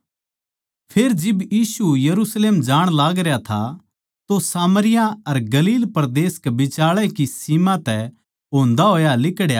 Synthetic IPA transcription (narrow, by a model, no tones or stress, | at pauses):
pʰeːɾd͡ʒɪbjiːsujɐɾusleːmd͡ʒaːɽ̃laːɡɾejat̪ʰa | t̪osaːməɾɪjãɐɾɡɐliːlpɐɾd̪eːskɛbɪt͡ʃaːɭɛkisimãt̪ɛ | ɦoːnd̪aɦoːjalɪkɽjaː